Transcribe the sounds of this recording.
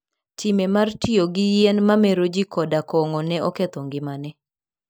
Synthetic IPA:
timɛmartɪoɡɪjɛnmameɾod͡ʒikɔdakɔŋɔnɛɔkɛt̪ɔŋɡɪmanɛ

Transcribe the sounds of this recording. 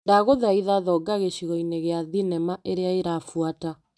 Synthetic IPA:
daɣoðaiðaðɔɡaɣeɕiɣɔineɣeaðinɛmaʔeɾeaeɾafwata

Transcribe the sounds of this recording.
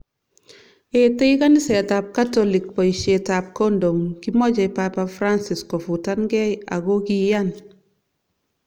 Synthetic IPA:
etejkanisɛtap̚katɔlik̚pɔiʃɛtap̚kondoŋkimɔd͡ʒɛpapafɾansiskɔfutanɡɛja̰ɡokijan

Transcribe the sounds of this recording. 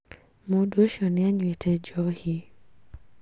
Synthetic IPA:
modoʃɔnɪaɲwetʰɛd͡ʒɔhi

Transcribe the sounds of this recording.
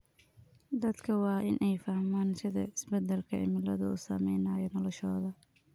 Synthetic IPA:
d̪ɐd̪kʰɐwɑːʔɪnʔɛjfɐhmaːnsɪðɐ̰ɪsbɛd̪ɛlkʰɐʔɪ̰mɪlɐðɐṵːsɐ̰mɛjnaːjɔnɔlɔʃɔːðɐ

